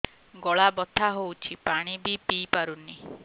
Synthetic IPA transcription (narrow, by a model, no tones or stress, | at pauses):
ɡɔɭabɔt̪ʰaɦowt͡ʃʰipaɽ̃ibipipaɾunːi